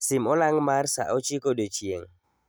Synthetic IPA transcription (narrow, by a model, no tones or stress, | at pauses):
sɪmɔlaŋmarsa̰ʔɔt͡ʃikodot͡ʃjeŋ